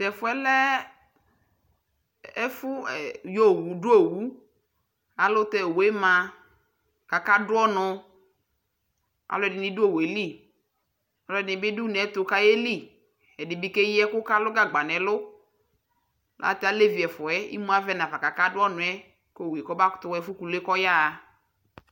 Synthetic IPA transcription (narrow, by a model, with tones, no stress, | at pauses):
tɛ˨fʊ˨˦ɛ˦lɛ˦ | ɛ˦fʊ˦ɛ˨jo˦˨wu˨dʊ˦o˦˨wu˦ | a˨lʊ˦tɛ˦˨we˦mã˨ | ka˨ka˦dʊ˦ɔ˦nʊ˧ | a̰˨lʊ˦ɛ˦dɪ˨nɪ˦dʊ˦o˦˨we˨li˦˨ | a˨lʊ˦ɛ˨dɪ˨nɪ˨bɪ˦du˦n˨ɛ˦tʊ˨˦ka˦je˦li˦˨ | ɛ˨dɪ˨bi˦ke˦ji˦ɛ˦kʊ˦ka˦lʊ˦ɡa˦˨ɡ͡ba˨nɛ˨lʊ˦ | la̰˨˦ta˦le˦vi˨ɛ˨fʊ˨ɛ˦ḭ˦mũ˦a˦vɛ˦na˨va˨ka˨ka˦dʊ˦ɔ˦nʊ̃˨ɛ˦ | ko˦˨we˨kɔ˦ba˦ktʊ˦ɛ˨˦fʊ˦ku˨le˦kɔ˦ja˦˨